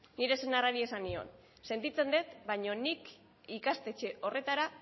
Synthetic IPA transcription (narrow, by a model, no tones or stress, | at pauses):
niɾe̞senaraɾie̞sanio̞̰n | se̞nt̪it͡se̞nd̪e̞t̪baɲo̞nik | ikast̪e̞t͡ʃe̞ʔo̞re̞t̪aɾa